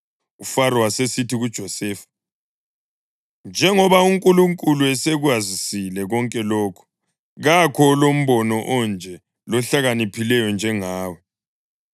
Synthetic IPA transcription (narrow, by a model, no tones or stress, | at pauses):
ufaɾɔwasesitʰiɣud̥ʒ̥ʱɔsɛːfḁ | nd͡ʒʱɛŋɔβauŋkʼuluŋkʼuluɛsɛɣwazisilɛɣɔŋkʼɛlɔːkʰu̥ | ɣakʰɔlom̩βɔnɔʔɔnd͡ʒʱɛ | lɔɬaɣanipʰilɛjɔnd͡ʒʱɛŋaːwɛ